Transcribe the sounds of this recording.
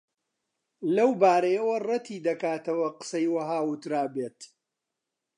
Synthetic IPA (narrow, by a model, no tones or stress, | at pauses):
lɐwbaːɾɐjɐwɐrɐt̪ʰiːd̪ɐkaːt̪ɐwɐqə̥sɐjwɐɦaːwʊt̪ɾaːbeːt̪